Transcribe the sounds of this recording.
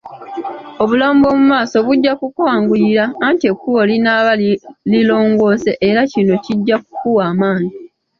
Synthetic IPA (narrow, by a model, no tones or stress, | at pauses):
oβulaːmbo̞ːmumaːso̞βuɟːakukwaːŋɡujiɾaːntiekːuolinaβalilo̞ːŋɡo̞ːse̞ʔeɾacino̞ciɟːak̚ukuwaːmaːni